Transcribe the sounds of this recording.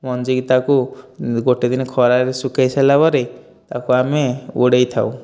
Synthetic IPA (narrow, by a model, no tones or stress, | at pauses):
mɔnd͡ʒiɡit̪akuɡoʈed̪inekʰɔɾaɾesukejselabɔɾe | t̪akuameuɽejt̪ʰaw